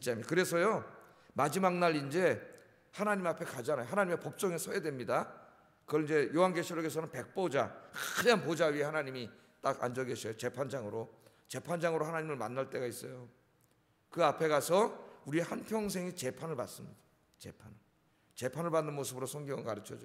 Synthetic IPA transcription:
it͡ɕ͈amakɯɾe̞sʰʌjo | mad͡ʑimaŋnaɾind͡ʑe̞ | hanaɲimapʰe̞kad͡ʑanajoɦanaɲimepop̚t͡ɕ͈ʌŋesʰʌedwe̞mɲida | kɯʌind͡ʑe̞jowanɡe̞ɕʰiɾoɡe̞sʰʌnɯnpe̞k̚p͈od͡ʑakːɯɲanpod͡ʑaɥiehanaɲimi | t͈aɡa̰nd͡ʑʌɡeɕʰʌjot͡ɕe̞pʰand͡ʑaŋɯɾo | t͡ɕe̞pʰand͡ʑaŋɯɾohanaɲimɯɭma̰nːaɭt͈e̞ɡais͈ʌjo | kɯapʰe̞ɣasʰʌuɾiehanpʰjʌŋs̬ʰe̞ŋit͡ɕe̞pʰanɯɭpa̰ts͈ɯmɲid̥ḁ | t͡ɕe̞pʰanɯɭ | t͡ɕe̞pʰanɯɭpanːɯnmosʰɯbɯɾosʰʌŋɡiŋʌnkaɾɯt͡ɕʰʌd͡ʑo

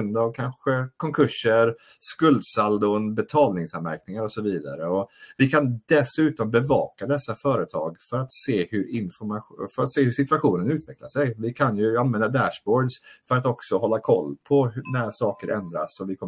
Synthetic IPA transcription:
ɵnd̪avkʰanɧəkʰɔŋkʰɵʂːəɾ | skɵld̪sald̪ʊnbɛt̪ʰɑːlnɪŋsanmæ̰ɾknɪŋaɾɔsɔviːd̪a̰ɾəɔvɪkʰand̪ɛsʉ̟ːt̪ɔmbɛvɑ̰ːkad̪ɛsːafœːɾət̪ʰɑ̰ːɡfœɾat̪seːhɵɾɪnfɔmafœɾat̪seːhɵʂɪt̪ʉaɧuːnənʉ̟ːt̪vɛklaʂɛjvɪkʰanjɵanvɛnd̪ad̪æʂbɔːɖsfœɾat̪ɔksɔɦɔlːakʰɔ̰lːpʰɔhnæɾʂɑːkəɾʔɛ̰nd̪ɾa̰sɔvɪkʰɔ

